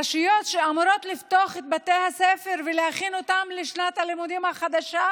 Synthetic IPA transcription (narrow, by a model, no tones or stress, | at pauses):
aʃijo̞t̪ʃeamuɾo̞t̪lift̪o̞aχet̪̚bat̪e̞jhafsefe̞ʁvelehaχino̞t̪amleʃnat̪halimud̪imhaχad̪aʃa